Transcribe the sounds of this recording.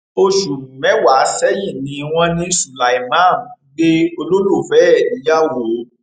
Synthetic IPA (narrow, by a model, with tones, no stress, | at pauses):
o˧ʃu˨ũ˨mɛ˨˦wa˨˦sɛ˦ji˦˨nĩ˨˦w̃ɔ̃˦nĩ˦su˨la˨i˨mã˦˨n˨˦ɡ͡be˦o˧lo˦lo˦˨fɛ˨˦ɛ˦˨nĩ˨˦ja˦wo˨˦